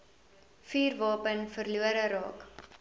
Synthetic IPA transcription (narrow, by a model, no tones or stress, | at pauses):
fiːrvɑːpənfərluəɾəɾɑ̰ːk